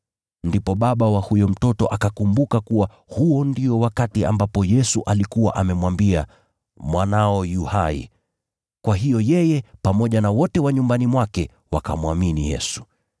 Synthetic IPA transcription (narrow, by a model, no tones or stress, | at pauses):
ndipɔɓaɓawahujɔm̩tɔtɔʔakakumbukakuwa | huɔndiɔwakatia̰mbapɔjɛsuʔalikuwa̰ʔamɛmwambia̰ | mwanaɔjuhaḭ | kwaɦijɔjɛjɛpamɔʄanawɔtɛwaɲumbanimwakɛ | waka̰mwaminḭjɛ̰su̥